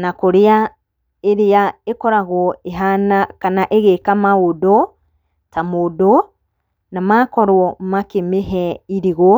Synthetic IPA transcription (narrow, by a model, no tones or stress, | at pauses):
nakoɾea | eɾeaekɔɾaɣɔeɦanakanaʔeɣekamaodo | tamodo | namakɔɾwɔmakemeɦɛiɾiɣo